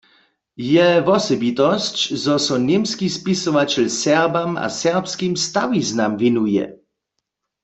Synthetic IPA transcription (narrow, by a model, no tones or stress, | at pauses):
jɛvɔsɔbit̪ɔst͡ɕzɔsɔnemskispisɔʋat͡ɕɛlsɛʁbama̰sɛʁpskimst̪awiznamvinujɛ̰